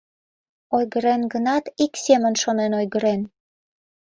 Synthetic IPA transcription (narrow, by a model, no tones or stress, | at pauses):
ojɣəɾenɡənɑt̪iksʲemənʃonenojɣəɾen